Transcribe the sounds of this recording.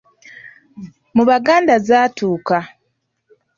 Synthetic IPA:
muβaɡaːndazaːtuːka

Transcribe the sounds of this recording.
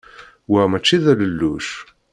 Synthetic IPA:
wəmæt͡ʃːiðæləlːuʃ

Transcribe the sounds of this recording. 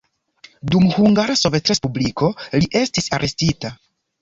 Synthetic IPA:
dumhuŋɡaɾaso̞ve̞tɾe̞spubliko̞liʔe̞stisaɾʔe̞stita

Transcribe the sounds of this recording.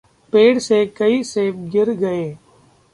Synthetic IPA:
peːɽsekɐiseːɡɪɾɡɐeː

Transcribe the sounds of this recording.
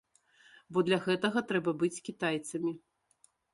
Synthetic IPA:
bɔd̪lʲɐɣɛt̪ɐɣɐt̪ɾɛbɐbɨt͡sʲkʲit̪ajt̪sɐmʲi

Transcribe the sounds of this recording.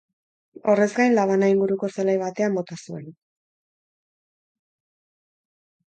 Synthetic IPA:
o̞re̞zɡajnlaβ̞anaiŋɡuɾuko̞selajβat̪e̞ambo̞t̪asue̞̰n

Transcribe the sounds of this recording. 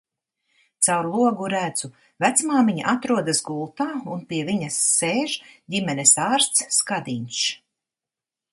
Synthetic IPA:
t̪sawɾlˠuɔɡuɾæd̪z̥u | væt̪smaːmiɲa̰ʔat̪ɾuɔd̪asɡulˠt̪aːunpiɛviɲɐsːeːʒdʲimɛnɛsaːɾst̪sːkad̪iɲʲʃ

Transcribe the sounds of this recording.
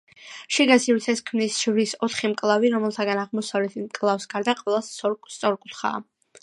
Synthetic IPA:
ʃiɡasiɾt̪ʰɛskʰmnisʃvɾisɔt̪ʰχimkʼlˠaviɾɔmɛlˠt̪ʰaɡanaʁmɔsavlɛt̪ʰimkʼlˠafsɡaɾd̪aqʼwɛlˠasst̪sʼɔɾkʼut̪χa̰ː

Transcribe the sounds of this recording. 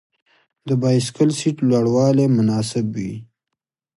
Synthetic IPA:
d̪əbɑjskəlsiʈlwaɽwɑlemʊnɑsɪbwḭ

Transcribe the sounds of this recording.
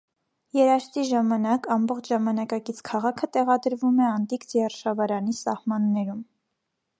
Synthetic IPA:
jɛɾɑʃt͡s̪iʒɑmɑnɑkɑmbɔχt͡ʃʰʒɑmɑnɑkɑkit͡sʰkʰɑʁɑkʰət̪ɛʁɑd̪əɾvumɛɑnt̪ikd͡zjɛrʃɑvɑɾɑnisɑhmɑnːɛɾum

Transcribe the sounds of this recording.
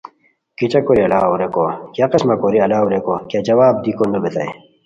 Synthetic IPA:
kit͡ɕɐkoɾiɐlaːuɾekokjaqɐsmɐkoɾiɐlaːuɾekokjad͡ʑɐwaːb̚d̪ikonɐbet̪ɐ̰ḛ

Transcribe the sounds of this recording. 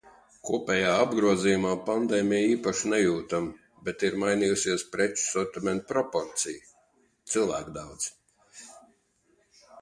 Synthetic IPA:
kuɔpʲɛːjaːabɡɾuɔziːjumaːpand̪ɛːmʲijiːpaʃnɛjuːt̪am | bɛt̪iɾmajnijusiɛspɾɛt͡ʃu̥sɔɾt̪imɛnt̪pɾɔpɔɾt̪sij | t̪silˠvæ̰ːkd̪awd̪z̥

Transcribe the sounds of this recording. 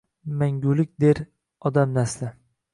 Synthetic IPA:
maŋɡʲʊlɪk̚ʲd̪eɾ | ɒd̪amnasla

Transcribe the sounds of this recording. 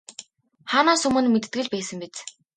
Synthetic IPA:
χaːnaːsɵmɘ̆nmet̪̆t̪ɡɘ̆ɮpæːsə̆mpet͡s

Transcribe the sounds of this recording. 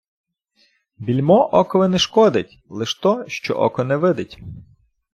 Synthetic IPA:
bʲilʲmɔʔɔkɔʋɪnɛʃkɔd̪ɪtʲ | lˠɪʃt̪ɔʃt͡ʃɔ̰ʔɔ̰kɔnɛʋɪd̪ɪtʲ

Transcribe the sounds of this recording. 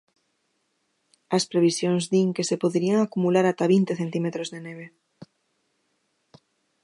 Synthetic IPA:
ɐspɾeβ̞isjoŋzðiŋkesepoðɾiaŋakumulaɾat̪aβint̪eθent̪imet̪ɾozðeneβ̞e

